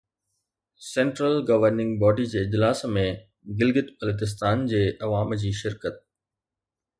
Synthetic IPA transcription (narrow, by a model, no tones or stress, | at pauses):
sɛ̃ːɳʈɾəlɡɐʋəɾnɪ̃ŋɡbɔːɖid͡ʑeːɪd͡ʑlaːsmẽ | ɡɪlɡɪt̪bɐlət̪ɪs̬t̪aːnd͡ʑeːʔɐʋaːmd͡ʑiːʃɪɾkət̪̚